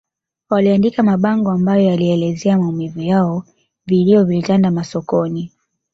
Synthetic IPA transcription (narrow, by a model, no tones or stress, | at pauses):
waliandikamaɓaŋɡɔambajɔjaliɛlɛzɛamaumivujaɔ | viliɔvilitandamasɔkɔni